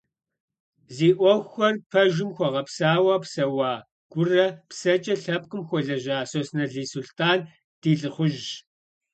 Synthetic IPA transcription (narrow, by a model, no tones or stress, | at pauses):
ziːʔʷɔxʷxɐrpʰɐʒɪmxʷɔʁɐpsaːwaːpsɐwɑː | ɡ̥ʷʊrɐpsɐt͡ʃʼɐɬɐp̚qɨmxʷɔɮɐʑaːsosnɐɮiːsuɬtʰaːn | d̥iːɬʼɨχʷʊʒ